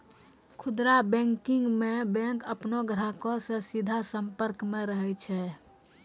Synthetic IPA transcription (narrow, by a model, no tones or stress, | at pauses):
kʰʊd̪ɾabɛ̃ŋkiŋɡmebɛ̃ŋkəpnoɡɾakɔsẽsid̪ʱasəmpəɾkmẽɾəɦɛt͡ʃʰɛ